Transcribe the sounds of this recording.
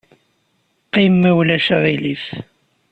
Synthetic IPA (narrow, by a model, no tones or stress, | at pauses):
qimːæwlæʃaʁiliθ